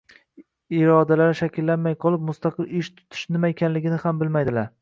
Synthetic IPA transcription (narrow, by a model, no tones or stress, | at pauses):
ɪɾɒd̪alaɾɪʃakʲʰɪlːanmajqʰɒlˠɪp̚mʊst̪ɑqʰɨlɪʃt̪ʰʊ̥t̪ʰɪ̥ʃnɪmaekʲʰanlɪɡʲɪnɪhambɪlmajd̪ɪlaɾ